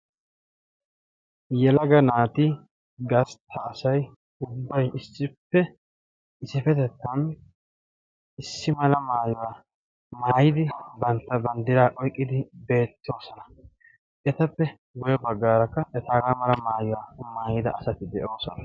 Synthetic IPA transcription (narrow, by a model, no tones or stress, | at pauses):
jɛlɐɡɐnaːt̪ɪ | ɡɐst̪ʰːɐːsɐj | ʊbːɐjʔɪsːɪpːɛ | ɪsɪfɛt̪ɛt̪ːɐn | ɪsːɪmɐlɐmaːjʊwaː | maːjɪd̪ɪbɐnt̪ːɐbɐnd̪ɪɾaːʔɔjkʼːɪd̪ɪbe̞ːt̪ːo̞ːsɔnɐ̥ | ɛt̪ɐpːɛ | ɡʊjɛbɐɡːaːɾɐkːɐʔɛt̪aːɡamɐlɐmaːjʊwaːmaːjɪd̪ɐʔɐsɐt̪ɪd̪ɛʔo̞ːsɔnɐ